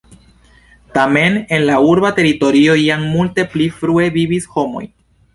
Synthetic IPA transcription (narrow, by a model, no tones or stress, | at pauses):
tame̞ne̞nlauɾbate̞ɾito̞ɾio̞jaŋmulte̞plifɾue̞vibisho̞mo̞̰j